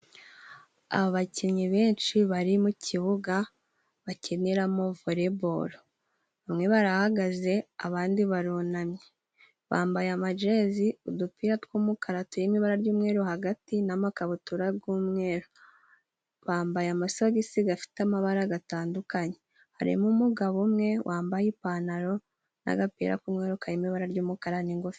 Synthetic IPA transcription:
a̰βoβacimɲiβeːnt͡ʃiβaɾimucʰiβuɡa | βaceneɾamo̞voɾe̞bo̞ɾo | βamŋe̞βaɾahaɡaze̞aβaːndiβaɾunamɲe | βa̰ːmbajamad͡ʒe̞ziudupiɾatkwumukaɾatujimiβaɾaɾɟuːmŋe̞ːɾohaɡatinamakaβutuɾaɡuːmŋe̞ːɾo | βaːmbajamasoɡisiɡafi̥tamaβaɾaɡataːndukaɲe | ha̰ɾḭmumuɡaβumŋe̞wʔaːmbajipanaɾo̞ | na̰ɡapḭːɾa̰kuːmŋe̞ːɾokajimiβaɾaɾɟuːmukaɾaniŋɡofi̥

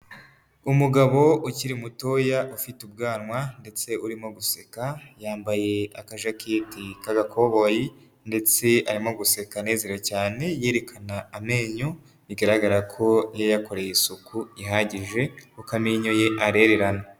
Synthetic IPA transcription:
umuɡaβo̞uciɾimutojaʔufitub̚ɡaːnwande̞t͡se̞uɾimo̞ɡusekajaːmbaje̞akaʒaketikaɡakʰo̞βo̞ji | nde̞t͡se̞aɾimo̞ɡuse̞kane̞ːze̞ɾocaːne̞jeːɾekʰanaːme̞ːɲo | iɡaɾaɡaɾakʰo̞jejako̞ɾe̞jisukuiɦaɟiʒe̞ukamiɲoje̞ʔaɾe̞ɾe̞ɾana

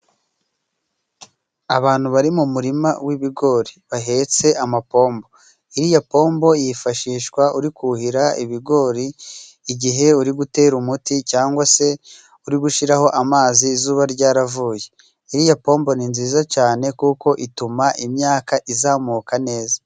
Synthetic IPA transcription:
aβaːn̥huβaɾimumuɾimawiβiɡo̞ɾiβaɦe̞t͡se̞ʔamapo̞ːmbo̞ | iɾijapo̞ːmbo̞jifaʃiːʃkwauɾikuhiɾaiβiɡo̞ɾiː | ɟiɦe̞uɾiɡute̞ːɾumuticaːŋɡwase̞ | uɾiɡuʃiɾaho̞ʔamaːziːzuːβaɾɟaːɾavuːje̞̥ | iɾijapo̞ːmbo̞ninziːzat͡ʃaːne̞kuːko̞ʔitumaʔimɲaːkaʔizaːmuːkane̞ːzḁ

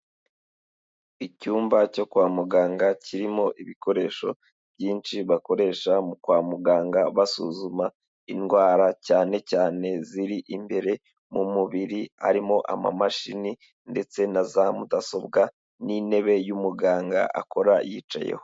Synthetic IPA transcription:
icuːmbaco̞kwaːmuɡaːŋɡaciɾimo̞ʔiβiko̞ɾe̞ːʃo̞̰ | b̥jiːnt͡ʃiβako̞ɾe̞ːʃamukwaːmuɡaːŋɡaβasṵzuma | inɡwaːɾacaːne̞caːne̞ziɾiʔimbe̞ɾe̞ | mumuβiɾia̰ɾimo̞ʔa̰ma̰maʃini | nde̞t͡se̞nazamudaso̞bɡa | nine̞βe̞jumuɡaːŋɡa̰ʔa̰ko̞ɾajiːt͡ʃa̰jḛho

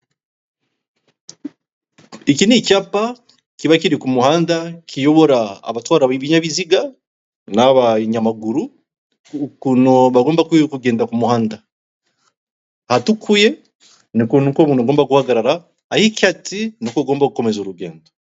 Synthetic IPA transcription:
ikinicaːpa | kiβakiɾikumuhaːndakʰijo̞βo̞ɾaa̰βatwaːɾaβiβiɲaβiziɡa | naβaɲamaɡuɾu | kunoβaɡo̞ːmbakkuɡeːndakumuhaːnda | hatukʰuje̞ | nikunkoβuːnoɡo̞ːmbaɡuhaɡaɾaɾaː | hikʲatinokoɡoːmbaɡuko̞me̞zoɾuɡe̞̰ːndo

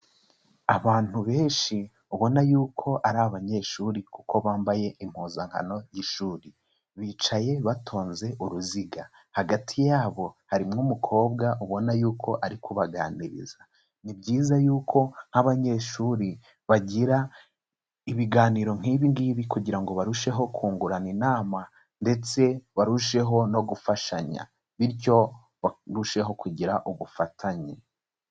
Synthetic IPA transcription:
aβaːn̥huβe̞ːnʃi | uβo̞najuːkʰo̞ʔaɾaβaɲe̞ʃuːɾikuko̞βaːmbaje̞ʔim̥huːzaŋ̥ha̰no̞jiʃuːɾi | βiːt͡ʃaje̞βatʰo̞ːnze̞ʔuɾuziɡa | haɡatʰijaːβo̞haɾimŋumukʰo̞ːbɡaʔuβo̞najuːkʰo̞ʔaɾikʰoβaɡa̰ːnḭɾḭza | nibɟiːzajuːkʰo̞n̥haβaɲe̞ːʃuːɾi | βaɟiɾa | iβiɡaːniːɾo̞ŋ̥ɦiːβiŋɡiβikuɟiɾaŋɡo̞βaɾuʃe̞ɦo̞kʰuːŋɡuɾaninaːma | nde̞t͡se̞βaɾuʃe̞ɦo̞no̞ɡufaʃaɲa̰ | βiɾco̞ | aɾuʃe̞ɦo̞kuɟiɾaʔuβufatʰaɲe

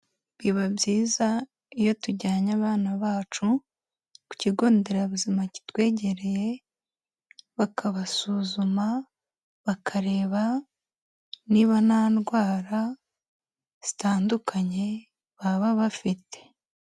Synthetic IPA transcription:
βiβabjiːza | ijo̞tuɟaːɲaβaːnaβaːt͡ʃu | ku̥ciɡo̞ːnde̞ɾaβuzimaci̥twe̞ːɟe̞ɾe̞je̞ | βakʰaβasuːzuma | βakʰaɾe̞ːβa | niβanaːnɡwaːɾa | z̥i̥taːndukʰaɲe̞ | βaβaβafitʰe̞̥

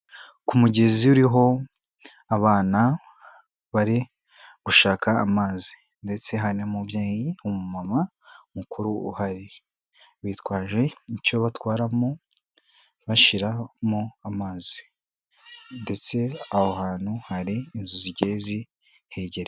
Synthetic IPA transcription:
kumuɟe̞ziuɾiɦo̞ | aβaːna | βaɾi | ɡ̥uʃaːka̰ːmaːzi̥ | nde̞t͡se̞ɦanemubjaːjiumumama | mukuɾuuhaɾi | βiːtwaːʒe̞icoβatwaːɾamo | βaʃiɾamoamaːzi̥ | nde̞t͡se̞ahohaːn̥huhaɾiːnzuziɟe̞ːzi | he̞ːɟe̞ɾe

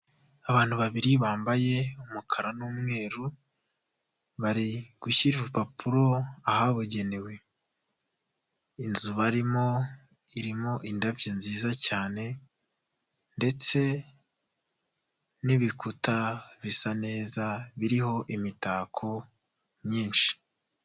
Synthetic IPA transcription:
aβaːn̥huβaβiɾiβaːmbaje̞umukʰaɾanuːmŋe̞ːɾu | βaɾiɡ̥uʃiɾiɾupapʰuɾo̞ahaβoɟe̞newe̞ | inzuβaɾimo̞ | iɾimo̞ʔindavjinziːzacaːne̞ | nde̞t͡se̞ | niβikutaβisane̞ːzaβiɾiho̞ʔimitaːkʰo̞ | mɲiːnʃi̥

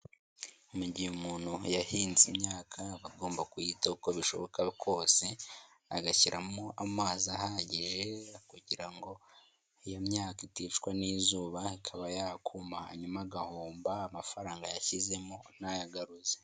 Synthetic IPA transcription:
umuɟiumuːn̥hujahiːnzimɲaːkʰaβaɡo̞ːmbakujiːtauko̞βiʃo̞βo̞kakʰo̞ːse̞ | a̰ɡaciɾamoamaːzahaɟiʒe̞kuɟiɾaŋɡo̞ | ijamɲaːkitit͡ʃkwaniːzuːβaikʰaβajakʰumaha̰ɲumaɡahoːmbaːmafaɾaːŋɡajaçize̞monajaɡaɾuze

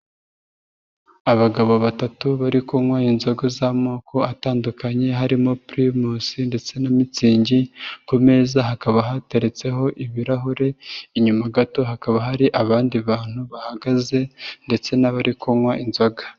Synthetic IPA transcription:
aβaɡaβo̞βatatuβaɾikoŋwainzo̞ɡozamoːko̞ataːndukaɲe̞ɦaɾimo̞pɾimusinde̞t͡se̞namit͡siːɲɟikume̞ːzaɦakaβaɦateɾet͡se̞ɦo̞ʔiβiɾaɦuɾe̞iɲumaɡato̞ɦakaβaɦaɾiʔaβaːndiβaːn̥huβahaɡaze̞nde̞t͡se̞naβaɾʔikʰoŋwaʔinzo̞ɡḁ

